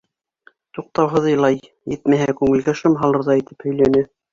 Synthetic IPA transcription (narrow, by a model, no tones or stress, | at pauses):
t̪uq̚t̪ɑwɦɤ̆ðɤ̆jlˠɑj | jɘt̪mæɦækʉŋɘ̆lɡæʃɤmɦɑlˠɤ̆ɾðɑit̪ɘ̥phɵ̆jlænɘ